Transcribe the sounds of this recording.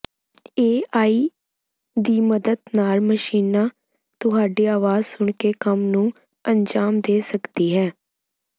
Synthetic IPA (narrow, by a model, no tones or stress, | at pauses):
eːaːiː | d̪iːməd̪əd̪naːlməʃiːnaː | t̪ʊɦaːɖeːaːʋaːzsʊɳ̃keːkəmnũː | ənd͡ʒaːmd̪eːsəkd̪iːɦɛː